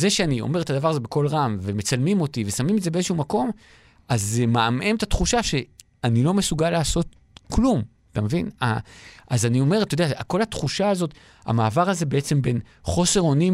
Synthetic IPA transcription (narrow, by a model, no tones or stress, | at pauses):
ze̞ʃeanio̞̰me̞et̪ad̪avaʁazebe̞ko̞lʁamveme̞t͡salmimo̞t̪ivesamimetzebeezeʃuumako̞m | azːemaamʔemt̪at̪χuʃaʃe̞ | anilo̞me̞suɡalaːso̞t | klum | atamevina̰ʔazanio̞me̞ʁ̞at̪ojdeaako̞lhat̪χuʃaːzo̞t | a̰maːvaʁaze̞be̞et͡se̞mbe̞nχo̞se̞ʁo̞ni